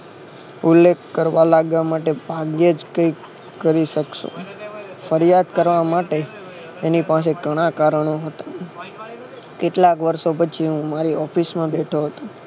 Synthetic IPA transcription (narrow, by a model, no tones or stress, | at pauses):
ʊlːekʰːəɾʋalaɡʋamaʈebʱaɡjed͡ʒkəi | kəɾiʃəkʃo̰fəɾjad̪kəɾʋamaʈeː | nipãs̬eɡəɽ̃akaɾəɳ̃oɦət̪a | keʈlakʋəɾʃopət͡ʃʰiɦũmaɾiɔfismãbeʈʰoɦət̪o